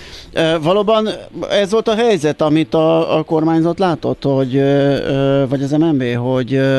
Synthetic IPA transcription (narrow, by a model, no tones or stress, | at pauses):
øvɒloːbɒnɛzʋo̞lt̪ɒɦɛjzɛt̪ɒmit̪ɒːko̞rmaːɲzɒt̪laːt̪o̞t̪ho̞ɟ | vɒɟɒzɛmɛmveːɦo̞ɟ